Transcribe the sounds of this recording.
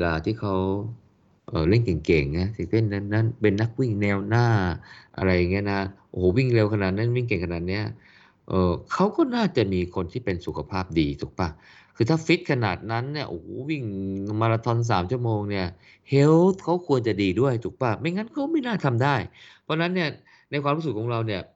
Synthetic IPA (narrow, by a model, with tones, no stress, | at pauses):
we˧laː˧t̪ʰiː˥˩kʰa˦˥w | ʔɤː˨˩le˥˩nke˨˩ŋke˨˩ŋna˦˥t̪ʰi˨˧˩le˥˩nːa˦˥nːa˦˥npe˧nːa˦˥k̚wi˥˩ŋnɛː˧wnaː˥˩ʔa̰˧ɾa˧jːa˨˩ŋːi˦˥ɐ˨na˦˥ʔooː˨˦wi˥˩ŋle˧wkʰa˧naː˨˩t̪̚ni˦˥˩wi˥˩ŋke˨˩ŋkʰa˧naː˨˩t̪̚ni˦˥ɐ | ʔɤː˨˩kʰa˦˥wkɔː˥˩naː˥˩t͡ɕa˨˩miː˧kʰo˧nt̪ʰiː˥˩pe˧nsu˨˩kʰa˧pʰaː˥˩p̚diː˧t͡ɕ̪u˨˩k̚pa˧˥˩ | kʰɯː˧t̪ʰaː˥˩fi˦˥t̪̚kʰa˧na̰ː˨˩t̪̚na˦˥nːi˥˩ɐʔo˨˩hwi˥˩ŋma˧la˧t̪ʰɔ˧ns̬aː˩˦mt͡ɕʰu˥˩ɐmoː˧ŋni˥˩ɐ | he˦˥wt̪̚kʰa˦˥wkʰu˧ənt͡ɕa˨˩diː˧du˥˩əjt̪u˨˩k̚pa˥˩ma˧˥˩jŋa˦˥nkʰɔː˥˩ma˥˩jnaː˥˩t̪ʰa˧mdaː˥˩jpʰɔ˦˥na˦˥nːi˥˩ɐ | na˧jkʰwaː˧ɾu˦˥su˨˩t̚kʰːɔː˩˦ŋɾa˧wni˥˩ɐ